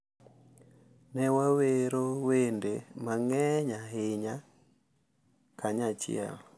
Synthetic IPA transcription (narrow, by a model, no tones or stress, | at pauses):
nɛwaweɾowendemaŋɛɲaɦeɲa | kʰaɲat͡ʃɪ̰ɛ̰l